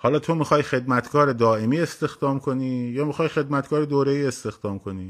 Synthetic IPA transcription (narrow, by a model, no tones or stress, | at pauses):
hɒːlɒːt̪ʰo̞mixɒːjxe̞d̪mæt̪ʰkʰɒːɾed̪ɒːʔe̞miːe̞st̪e̞xd̪ɒːmkʰoniːjɒːmixɒːjxe̞d̪mæt̪kʰɒːɾed̪oːɾeiːe̞st̪e̞xd̪̥ɒːmkʰo̞niː